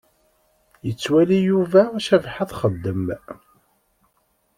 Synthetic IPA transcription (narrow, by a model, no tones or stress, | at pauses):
jət͡sːwælijuvæʃævħaðχəd̪ːəm